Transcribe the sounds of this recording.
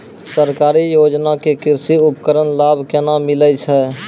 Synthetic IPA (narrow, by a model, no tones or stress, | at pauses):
səɾkaɾijod͡ʒnakekiɾsiupəkəɾənlabʱkenamilət͡ʃʰɛ